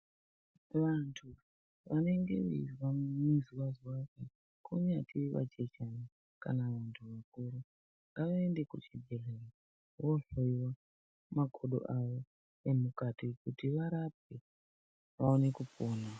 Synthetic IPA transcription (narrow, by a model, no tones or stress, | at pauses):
ʋantʰu | ʋane̞ŋɡe̞̰ʋḛḭrwamuziwaziwake | kʰoɲatʰiʋa̰t͡ʃet͡ʃani | ka̰naʋantʰuʋakuɾu | ŋɡaʋaende̞kut͡ʃibʱereri | wo̞ɬoiwa | maɡʱoɗo̞̰ʔaʋo̞ | emukatikutiʋaɾap̚e | ʋaone̞kupoːna